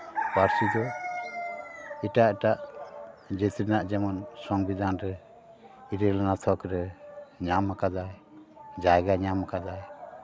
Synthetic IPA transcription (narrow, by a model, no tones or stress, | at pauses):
paɾsid̪ɔ | iʈaʈaʔ | d͡ʒɛt̪ɾɛnaʔd͡ʒɛmɔnsɔŋbid̪anɾɛ | iɾɛlanat̪ʰɔkɾɛɲamakad̪aj | d͡ʒajɡaɲamakad̪aj